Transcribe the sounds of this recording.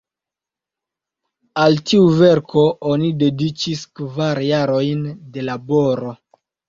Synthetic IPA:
altiuveɾkʰo̞ʔonide̞dit͡ʃiskvaɾjaɾo̞jnde̞labo̞ɾo̞

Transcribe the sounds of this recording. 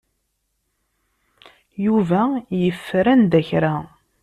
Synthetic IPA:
juvæjəfːɾænd̪æçɾæ

